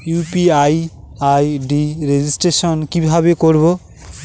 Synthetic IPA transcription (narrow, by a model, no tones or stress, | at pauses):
jupiaj | ajɖiɾed͡ʑisʈɾeʃonkibʱabekoɾbo